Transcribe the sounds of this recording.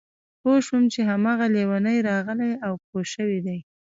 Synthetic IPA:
poʃwʊmt͡ʃeɦamɑɣalewanəjɾɑɣəlajawpoʃəwid̪aj

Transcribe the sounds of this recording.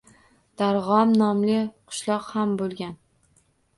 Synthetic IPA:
d̪̥aɾʁɒmnɒmlɪqʰʊ̥ʃlˠɒqhambolˠɡʲan

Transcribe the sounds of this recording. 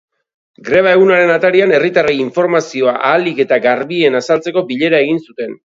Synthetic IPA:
ɡɾe̞β̞ae̞ɣunaɾe̞nat̪aɾiane̞rit̪arajiɱfo̞ɾmasio̞aʔaːlike̞t̪aɡaɾβie̞nasalt͡se̞ko̞biʎe̞ɾae̞ɣinsut̪e̞n

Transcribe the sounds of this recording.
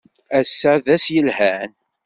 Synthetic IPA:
æsːaðæsjəlhæn

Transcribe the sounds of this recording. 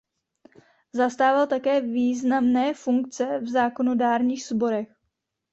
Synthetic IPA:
zast̪aːvalt̪akɛːviːznamnɛːfuŋkt͡sɛvzaːko̞no̞daːɾɲiːxz̥bo̞ɾɛx

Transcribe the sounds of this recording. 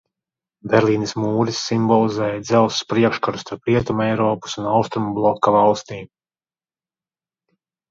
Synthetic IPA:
bʲɛɾlˠiːnismuːɾisːimbɔlˠizɛːjad̪zɛlˠsspɾiɛkʃkaɾu̥st̪aɾpɾiɛt̪umɛjɾɔːpu̥sunawst̪ɾumublˠɔkːavɑlˠst̪iːm

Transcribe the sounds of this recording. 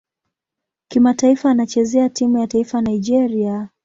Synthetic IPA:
kimataifaːnat͡ʃɛzɛatimujataifanaid͡ʒɛɾia

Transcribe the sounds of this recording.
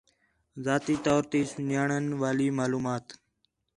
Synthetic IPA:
zaːt̪iːt̪ɔːɾt̪iːsʊnjaːɳənʋaːliːmaːluːmaːt̪

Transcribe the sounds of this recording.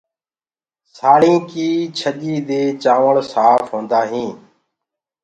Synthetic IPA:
saːɽĩːkiːt͡ʃʰəɗiːd̪eːt͡ʃaːʋəɭsaːfʰɦõːnd̪aːɦĩː

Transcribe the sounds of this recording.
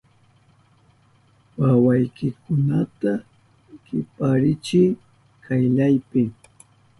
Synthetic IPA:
wawajkɪkʊnat̪a | kɪpaɾɪt͡ʃɪj | kʰajʎajpɪ

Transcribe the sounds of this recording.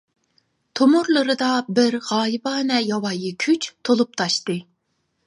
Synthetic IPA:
t̪ʰomuɾlˠɨɾɨd̪ɑbɪɾʁɑːjɨbɑːnɛjɑwɑjikʲʰyt͡ʃt̪ʰolˠup̚t̪ʰɑʃt̪ɨ

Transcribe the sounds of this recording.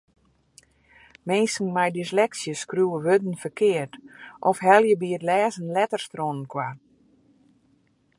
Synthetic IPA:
mensŋ̩majdislɛksjəskruəʋødn̩fərkʰɪərtʔɔfhɛlˠjəbiətlɛːzənlɛtərstronənkʰwa

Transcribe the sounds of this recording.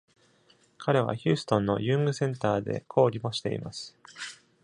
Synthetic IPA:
kʰaɾe̞β̞a̰çɨ̟ːsɨ̥t̪õ̞nːo̞̰jɯ̃ːŋɡɯ̟sẽ̞nt̪aːd̪e̞̰kʰo̞ːɾʲimo̞ɕi̥t̪e̞ḭmasɨ̥

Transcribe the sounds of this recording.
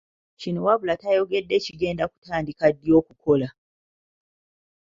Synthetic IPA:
ʃinowablatajoɡedːet͡ʃiɡendaku̥tʰaːndikadːijokukʰola

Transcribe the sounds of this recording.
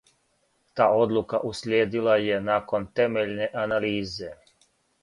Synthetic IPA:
t̪aːo̞d̪lˠukaʔuslʲjeːd̪ilajenaːko̞nt̪e̞meʎne̞ʔanaliːze̞

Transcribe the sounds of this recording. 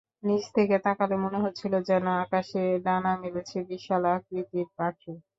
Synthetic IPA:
nid͡ʑt̪ʰeket̪akalemoneɦotːɕʰilod͡ʑɛnaakaʃeɖanamilet͡ɕʰebiʃalak̚ɾid̪iɾbaʈʰi

